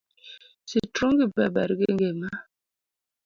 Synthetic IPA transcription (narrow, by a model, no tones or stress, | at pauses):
situŋɡiba̰baɾɡeŋɡema